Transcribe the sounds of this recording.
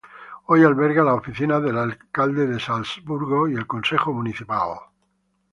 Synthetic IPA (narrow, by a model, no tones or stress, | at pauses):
ojalβeɾɣalaofiθinaðelalkald̪eðesalzβuɾɣoielkonsexomuniθipal